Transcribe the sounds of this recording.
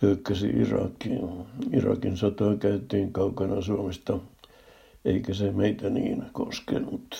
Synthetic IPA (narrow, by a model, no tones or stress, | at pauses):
lykːæsḭʔḭrɑ̰kːiirɑ̰kinsot̪oːkæyt̪iːŋkɑukɑnɑsuomest̪ɑ | eikæsemeit̪ænḭːnko̰skḛnːut̪